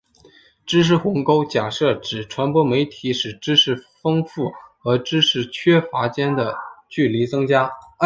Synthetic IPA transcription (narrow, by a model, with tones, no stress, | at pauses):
ʈ͡ʂɻ̩˥ʂ̬ɻ̩˥˩xʊ˧˥ŋko˥ʊt͡ɕja˨˩ʂɤ˥˩ʈ͡ʂɻ̩˨˩ʈ͡ʂʰwa˧˥npwɔ˥me˧˥ɪt̪ʰi˧˥ʂɻ̩˨˩ʈ͡ʂɻ̩˥ʂɻ̩˥˩fɤ˥ŋfu˥˩xɤ˧˥ʈ͡ʂɻ̩˥ʂɻ̩˥˩t͡ɕʰɥɛ˥fa˧˥t͡ɕjɛ˥nd̪ə˨t͡ɕy˥˩li˧˥t͡sɤ˥ŋt͡ɕja˥